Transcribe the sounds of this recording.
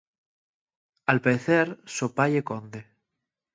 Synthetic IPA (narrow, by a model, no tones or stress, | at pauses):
alpeeθeɾsopaʎekond̪e